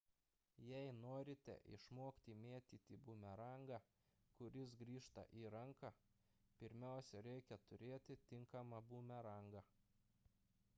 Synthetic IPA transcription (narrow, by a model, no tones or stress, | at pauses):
jɛɪnoːɾʲɪt̪ʲɛ̰ʔɪ̰ʃmoːkt̪ʲiːmʲeːt̪ʲiːt̪ʲiːbuːmʲɛɾɐŋɡɐ | kʊɾʲɪs̬ɡɾʲiːʃt̪ɐ̰ʔiːɾɐŋkɐ | pʲɪɾʲmʲæˑʊsʲɛɾʲɛɪkʲɛt̪ʊɾʲeːt̪ʲɪt̪ʲɪŋkɐmɐbuːmʲɛɾɐŋɡɐ